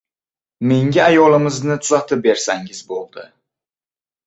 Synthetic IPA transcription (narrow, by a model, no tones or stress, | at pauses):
miŋɟiɑjolˠɯmɯznɨt̪ʰuzɑt̪ʰɯp̚beɾsæŋɟizbolˠd̪ɯ